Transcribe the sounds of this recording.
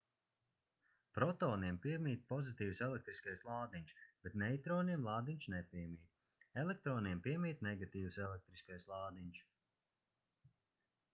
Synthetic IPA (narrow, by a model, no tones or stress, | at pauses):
pɾɔt̪ɔːniɛmpiɛmʲiːt̪̚pɔzit̪iːvwsɛlek̚t̪ɾiskajslˠɑːd̪iɲʲʃb̥et̪nɛjt̪ɾɔːniɛmlˠɑːd̪iɲʲʃnɛpʲiɛmʲiːt̪ | ɛlek̚t̪ɾɔːniɛmpiɛmiːt̪nɛɡat̪iːwusɛlˠek̚t̪ɾiskajslˠɑːd̪iɲʲʃ